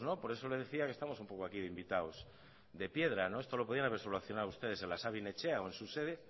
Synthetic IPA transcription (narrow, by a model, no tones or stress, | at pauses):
zno̞po̞ɾe̞so̞lezðe̞θiake̞st̪amo̞sumpokoakiðeimbit̪aos | d̪e̞pje̞ðɾanoest̪o̞lo̞poðianaβeɾsoloaθjonawust̪e̞ð̞ese̞nlasaβinet͡ʃeaoensuse̞ð̞e